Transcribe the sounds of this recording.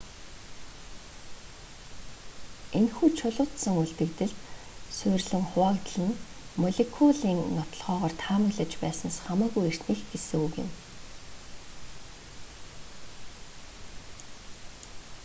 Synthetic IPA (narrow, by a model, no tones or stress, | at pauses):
enxuːt͡ɕʰʊɮʊːt̪sə̆ŋuɮt̪ɘ̆kt̪ɘ̆ɮt̪ | sʊrɮɘ̆ŋχʊaːkt̪ɮɘ̆n | mɔɮekʰuɮiːŋnɔt̪ɞ̆ɮʁœːʁɔːrt̪ʰaːmɵɮɘ̆t͡ɕpæːsə̆nsχamaːɣujer̥t̪niːxɡesɘ̆ŋuːɣɪ̰̆n